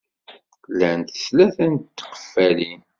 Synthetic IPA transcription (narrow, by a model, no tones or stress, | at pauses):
lænt̪ə̥slæθənt̪t̪ːqə̥fːæli